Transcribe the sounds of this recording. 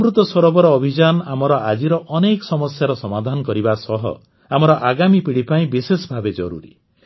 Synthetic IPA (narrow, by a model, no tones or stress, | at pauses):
mɾut̪ɔsɔɾɔbɔɾɔːbʱid͡ʒanɔamɔɾɔad͡ʒiɾɔʔɔnekɔsɔmɔsjaɾɔsɔmad̪ʱanɔkɔɾibasɔɦɔ̰ | amɔɾɔʔaɡamipiɽipaĩbisesɔbʱabed͡ʒɔ̰ɾṵɾḭ